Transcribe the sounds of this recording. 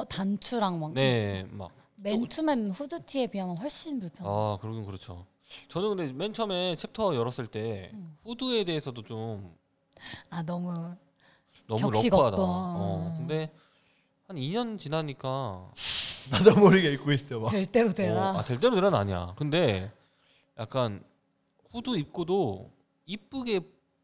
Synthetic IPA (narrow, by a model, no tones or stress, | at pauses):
tant͡ɕʰuɾaŋmaŋne̞ma̰k̚ment͡ɕʰumenɸudɯtʰie̞biamanɸʌɭɕ͈inpuɭpʰjʌakɯɾʌɡɯnkɯɾʌt͡ɕʰo | t͡ɕʌnɯnkʰɯnde̞me̞nt͡ɕʰʌme̞t͡ɕʰe̞p̚tʰʌjʌɾʌs͈ɯɭt͈e̞ɸudue̞de̞ːsʰʌdot͡ɕom | anʌmu | nʌmuɾʌiɡadaʌkɯnde̞ | haniɲʌnt͡ɕinaɲik͈a | nadamʌɾiɡaik͈ois͈ɯomaeɭt͈eɾodeaateɭt͈e̞ɾoteɾannaɲija̰kɯnde̞ | jak̚k͈an | ɸuduip̚k͈odo | ip̚p͈uɡe̞